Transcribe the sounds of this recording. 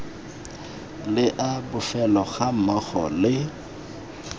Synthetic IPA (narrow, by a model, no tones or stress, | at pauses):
lɪʔabʊfɛlɔɣamaɣɔ̰lɪ